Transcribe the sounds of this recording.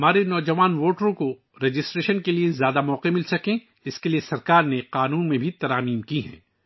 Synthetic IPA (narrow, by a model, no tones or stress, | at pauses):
ɦɐmaːɾenɔːd͡ʒɐʋaːnʋoːʈɾõko | ɾeːd͡ʒɪsʈɾeːʃənkeliezjaːd̪amɔːqemɪlsɐkẽ | d͡ʒɪskeliesɐɾkaːɾneqaːnuːnmẽbʱit̪ɐɾaːmiːmkiɦɛ̰̃ː